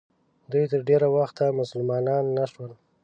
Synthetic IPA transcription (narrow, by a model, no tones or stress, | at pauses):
d̪ujt̪əɾɖeɾawaxt̪amʊsəlmɑnɑnːaʂwəl